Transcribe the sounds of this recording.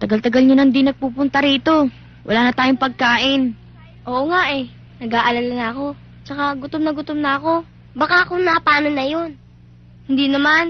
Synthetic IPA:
t̪ɐɡalt̪ɐɡalɲonɐnd̪inɐɡ̚puːpʊnt̪ɐɾiːt̪o̞ | wʔɐ̰laːnɐt̪aːjoŋpɐɡ̚kaːʔɪn | ʔo̞ːʔoŋaʔɛ | nɐɡaːʔɐlalanɐɐko̞ | t͡ʃɐkaɡʊt̪omnɐɡʊt̪omnɐɐko̞ | bɐkaʔɐkonɐpaːnonɐjon | hɪnd̪inɐman

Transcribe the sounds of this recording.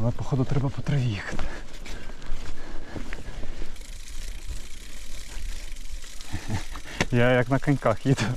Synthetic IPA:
nɐpɔxɔd̪ʊt̪ɾɛbɐpɔt̪ɾɐʋʲixɐ̥t̪ | jajɐknɐkɐnʲkaxjid̪ʊ

